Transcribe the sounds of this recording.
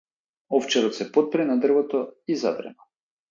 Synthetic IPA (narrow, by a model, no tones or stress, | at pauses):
ɔft͡ʃɛɾɔt̪sɛpɔt̪̚pɾɛnad̪r̩vɔt̪ɔiza̰d̪ɾɛ̰nɔ